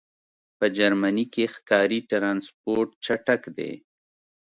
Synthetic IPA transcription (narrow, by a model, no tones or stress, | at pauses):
pəd͡ʒaɾmanikexkɑɾiʈɾɑnspoɾʈt͡ʃaʈakd̪ḛ